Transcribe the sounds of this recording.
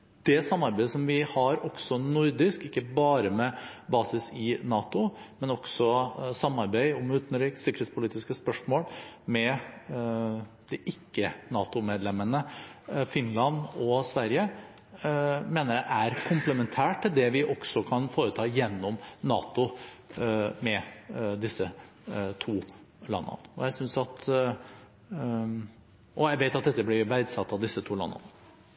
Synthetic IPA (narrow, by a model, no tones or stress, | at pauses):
d̪̥ɛsɑmːɑɾbæɪəsɔmʋɪhɑɾɔksɔnʊɾd̪ɪskɪkːəbɑːɾəmɛbɑːsɪsɪnɑːt̪ʊmɛnɔɡ̥sɔsɑmːɑɾbæɪʊmʉːt̪n̩ɾiːksɪkːəɾhet̪spʰʊliːt̪ɪskəspœʂmoːlmɛ | d̪̥ɛʔɪkːənɑːt̪ʊmeːd̪lɛmːənəfɪnlɑnɔsʋæɾjə | meːnəɾjæʔæɾkʰʊmpləmɛnt̪ʰæːʈʈ̪ːɪld̪ɛʋɪʔɔksɔkʰɑnfoːɾət̪ʰɑːjɛnːɔmnɑ̰ːt̪ʊ | mɛd̪ɪsːə | t̪ʰuː | lɑ̰nːə̰nɔjæɪsʏnsɑt̪ | ʔɔjæɪʋeɪt̪ɑt̪̚d̪ɛt̪ːəblɪbæɪd̪sɑt̪ːɑʋd̪ɪsːət̪ʰuːlɑ̰nːə̰nə